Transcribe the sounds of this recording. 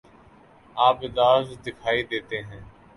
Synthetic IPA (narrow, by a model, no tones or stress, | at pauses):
aːpɪd̪aːzd̪ɪkʰaːid̪eːt̪eːɦɛ̃ː